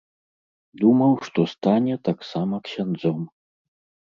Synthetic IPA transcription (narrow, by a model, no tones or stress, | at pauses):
d̪umɐwʂt̪ɔst̪anʲɛt̪aksamɐksʲand̪zɔm